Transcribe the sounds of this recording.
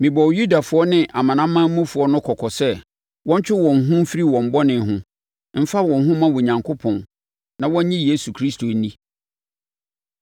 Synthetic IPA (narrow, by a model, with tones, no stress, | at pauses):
mɪ̃˨bɔ˨wju˦da˨fʊ˨˦ɔ˦nɪ̃˦ʔa˨mã˨nã˦mː˦ã˦mũ˦fʊ˨˦ɔ˦nʊ̃˦kʰɔ˨kʰɔ˨sɛ˦ | wɔ̃˦ɲ˦t͡ɕᶣɪ˦wɔ̃˨n˨ɦʊ̃˦m̩˦fi˦ɾi˦wɔ̃˨m̩˨bɔ˦nɪ̃˨ɦʊ̃˦ | m̩˦fa˦wɔ̃˨nɦʊ̃˦mã˦wo˨ɲã˨ŋkʰʊ˦pʰɔ̃˨n | nã˨wɔ̃˦ɲ˦ɲĩ˦je˦su˨kʰɾi˦stʰo˨˦nĩ˦